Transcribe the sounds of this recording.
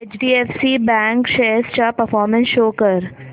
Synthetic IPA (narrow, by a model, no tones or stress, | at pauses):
et͡ʃɖiːefsibɛ̃ːŋkʃeːst͡ʃapəɾfɔːɾmə̃nsʃoːkəɾ